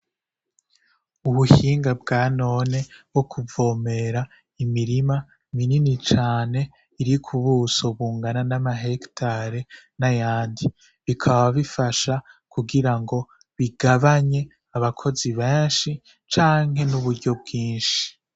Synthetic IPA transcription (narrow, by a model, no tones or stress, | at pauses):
uβuhiːŋɡabɡaːno̞ːne̞wo̞kʰuvo̞ːme̞ɾa | imiɾima | mininit͡ʃaːne̞ | iɾikʰuβuːsoβuːŋɡananamaɦektʰaɾenajaːndi | βikʰaβaβifaʃakuɡiɾaŋɡo̞ | βiɡaβaɲe̞ | aβakʰo̞ziβeːnʃi | t͡ʃaːŋ̥he̞nuβuɾɟo̞b̚ɡiːnʃi̥i̥